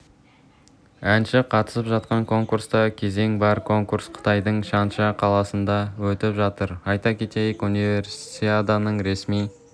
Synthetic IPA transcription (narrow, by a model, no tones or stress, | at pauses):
ænʃɪqʰɑt̪ə̥səpʒɑt̪̚qɑŋkʰo̞ŋkuɾst̪ɑkʲʰe̞ze̞ŋbɑɾkʰo̞ŋkuɾsqʰə̥t̪ɑjd̪əɴʃɑnʃɑqʰɑlˠɑsənd̪ɑwɵt̪ɪpʒɑt̪əɾɑjt̪ɑkʲʰe̞t̪e̞jɪkunive̞ɾsi̥t̪t̪eɑd̪ɑnəɴɾe̞smij